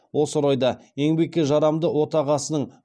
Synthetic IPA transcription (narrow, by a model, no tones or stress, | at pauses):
wo̞səɾɑjd̪ɑe̞ŋbe̞kʲːeʒɑɾɑmd̪əwo̞t̪ɑʁɑsənəɴ